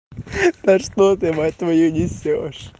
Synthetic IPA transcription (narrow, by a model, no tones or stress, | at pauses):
t̪ɐʂt̪ot̪ɨmɐt̪ʋɐjunʲɪsʲoʂ